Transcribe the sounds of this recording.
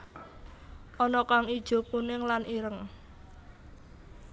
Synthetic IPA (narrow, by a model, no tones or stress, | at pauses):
ʔɔnɔkaŋid̥ʒ̥o̤punɪŋlanʔiɾəŋ